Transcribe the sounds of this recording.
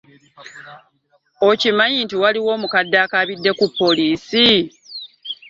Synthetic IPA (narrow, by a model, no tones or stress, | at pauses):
o̞cimaɲiːntiwaliwo̞ːmukadːaːkaβidːe̞kupːo̞liːsi